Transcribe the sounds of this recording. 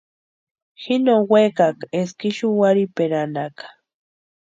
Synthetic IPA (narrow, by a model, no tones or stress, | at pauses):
hɪnowekakeskɪʃʊwaɾipeɾanakḁ